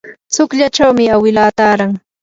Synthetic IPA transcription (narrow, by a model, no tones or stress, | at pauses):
t͡sʊkʎat͡ʃawmɪawɪlaːt̪aːɾaŋ